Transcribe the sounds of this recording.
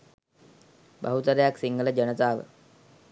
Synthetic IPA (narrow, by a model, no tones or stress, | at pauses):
baɦut̪əɾejaksiŋɡələd͡ʒənət̪aːʋə̰